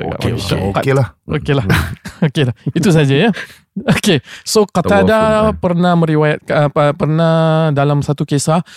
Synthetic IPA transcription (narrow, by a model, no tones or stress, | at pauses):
kaklahokelahokelahit̪us̬ad͡ʒaja | okesokat̪adapərnahmə̃ɾiwajat̪̚əəpərnadalamsat̪ukesa